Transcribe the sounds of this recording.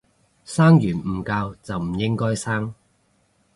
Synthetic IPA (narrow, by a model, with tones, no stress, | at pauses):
saː˥ŋjyː˨˩nm̩˨˩kaː˧wt͡sɐ˨wm̩˨˩jɪ˥ŋkɔː˥jsaː˥ŋ